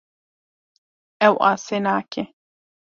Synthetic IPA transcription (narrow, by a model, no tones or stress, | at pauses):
ɛwʔa̰ːsenaːkʰe